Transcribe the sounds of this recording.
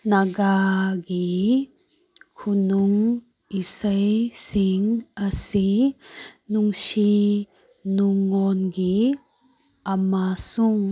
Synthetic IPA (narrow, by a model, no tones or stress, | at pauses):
naɡaɡi | kʰunuŋ | isajsiŋasi | nuŋsi | nuŋɔnɡi | amasuŋ